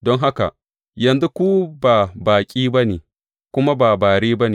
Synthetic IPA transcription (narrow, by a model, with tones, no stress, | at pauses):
dɔ˦ŋɦa˦ka̰˨ | jɐ˨nzu˦kʷuː˦baː˨baː˨kʲʼiː˦bɐ˦neː˨ | kʷʊ˦ma˦baː˨baː˨ɽeː˦bɐ˦neː˨